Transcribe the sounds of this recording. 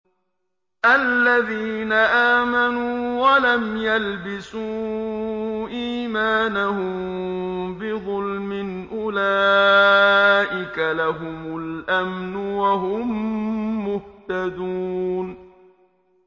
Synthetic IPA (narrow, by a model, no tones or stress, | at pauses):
ʔalːaðiːnaʔaːmanuwalamjalbɪsuː | ʔiːmaːnahʊmmbɪðˤʊlmɪnʔʊla | ʔɪkalaɦʊmʊlʔamnʊwaɦʊmː | ʊht̪ad̪un